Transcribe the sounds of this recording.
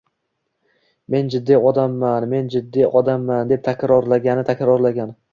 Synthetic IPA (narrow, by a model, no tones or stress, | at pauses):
me̞nd͡ʒɪd̪ːijɒd̪amːanme̞nd͡ʒɪd̪ːijʔɒd̪amːand̪e̞p̚t̪ʰakʲɾɒɾlaɡʲanɪt̪ʰakʲɾɒɾlaɡʲan